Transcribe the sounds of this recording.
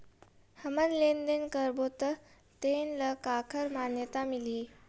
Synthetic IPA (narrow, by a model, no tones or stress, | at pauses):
həmənlend̪ənkəɾbot̪ə | t̪enləkakʰəɾmanjət̪amiliː